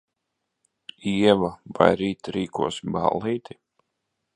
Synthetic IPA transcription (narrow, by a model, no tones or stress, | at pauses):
iɛvava̰jɾiːt̪ɾiːkuɔsba̰lˠiːt̪i